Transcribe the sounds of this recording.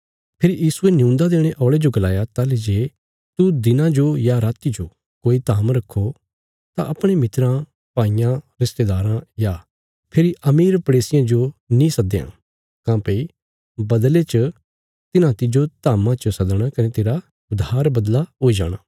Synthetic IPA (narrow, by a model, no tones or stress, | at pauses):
pʰɪɾijiːsuenɪũːnd̪ad̪eːɽ̃eʔɔːɭed͡ʒoɡɐlaːjat̪aːled͡ʒeː | t̪ud̪ɪnãd͡ʒojaɾaːt̪id͡ʒo | koːit̪aːmɾɐkʰːo | t̪ã̰ʔɐpɽ̃emɪt̪ɾã | paːijãɾɪst̪ed̪aːɾãja | pʰeɾiʔɐmiːɾpɐɽeːsɪjãd͡ʒonĩsɐd̪eã̰ | kãːpei | bɐd̪let͡ʃə | t̪ɪnãt̪ɪd͡ʒot̪aːmãt͡ʃəsɐd̪ɽ̃akɐnet̪eːɾa | ʊd̪ʱaːɾbɐd̪laɦoːid͡ʒa̰ːɽ̃aː